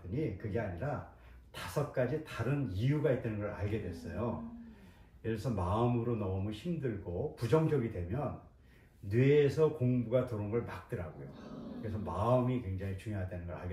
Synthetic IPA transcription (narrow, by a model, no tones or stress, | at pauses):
ɯɲikɯɡe̞aɲiɾa | tasʰʌk̚k͈ad͡ʑitaɾɯniuɡait̚t͈anɯnɡʌɾa̰ɭɡe̞dwe̞s͈ʌ̰jo | jʌsʰʌmaɯmɯɾonʌmuçimdɯɭɡopud͡ʑʌŋd͡ʑʌɡidwe̞mjʌnː | weːsʰʌkoŋbuɡatoɾoŋʌɭmak̚t͈ɯɾaɡojo̰kɯɾe̞s̬ʰʌmaɯmikwe̞ŋd͡ʑaŋit͡ɕuŋjoɦadwenɯnɡʌɾa̰ɭɡe